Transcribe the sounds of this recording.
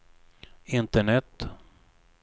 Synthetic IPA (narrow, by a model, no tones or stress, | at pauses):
ɪnt̪əɳɛt̪ː